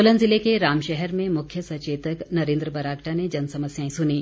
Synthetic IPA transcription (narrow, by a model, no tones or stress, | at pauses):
olənzɪlekeɾaːmʃɛɦɛɾmẽmʊkʰjəsɐt͡ʃeːt̪əknɐɾẽːnd̪ɾəbɐɾaːkʈʰaned͡ʒɐnsɐməsjaːẽsʊniː